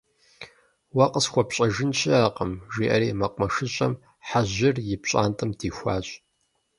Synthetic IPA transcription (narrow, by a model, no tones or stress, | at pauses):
wɐqəsxʷɔpɕʼɐʒɪnɕʰɪaːqʼəmʒiːʔɐɾiːmɐqʷʼmɐʂɨɕʼɐm | ħaʑɪrjɪpɕʼa̰ːntʼɨmdʰiːxʷaːɕʼ